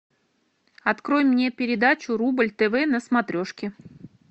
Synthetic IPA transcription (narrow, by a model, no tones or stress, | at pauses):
ɐt̪kɾo̞jmːnʲe̞pʲɪɾʲɪd̪at͡ɕʊɾubɨlʲt̪ɛvɛnəsmɐt̪ɾʲo̞ʂkʲɪ